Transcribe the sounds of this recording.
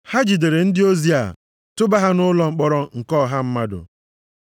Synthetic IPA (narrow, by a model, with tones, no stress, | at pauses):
ha˦d͡ʒi˨de˨ɾe˨n̩˦dɪ˦o˦zi˦a̰˨ | tʊ˦ba˦ɦa˦nʊ˦lɔ˨ŋ͡m̩˨k͡pɔ˦ɾɔ˦ŋ̩˨kɔː˦˨ɦa˦m̩˦ma˦dʊ̰˨